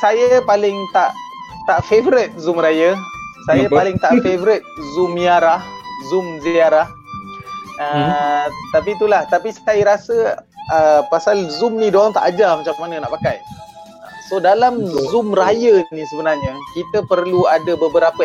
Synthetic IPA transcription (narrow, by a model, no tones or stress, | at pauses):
sajəpalɪŋt̪aʔ | t̪aʔfevɾɪt̪̚zumɾajəsajapalɪŋt̪aʔfevɾɪt̪̚zumiaɾahzʊmziaɾah | ə | t̪apit̪ulaht̪apisəkaiɾasəəpasalzʊmnidoaŋt̪a̰ʔad͡ʒamat͡ʃakəmanənaʔpakaj | ə̰sodalamzʊmrajənĩsəbənarɲəkit̪əpərluadəbəbəɾapə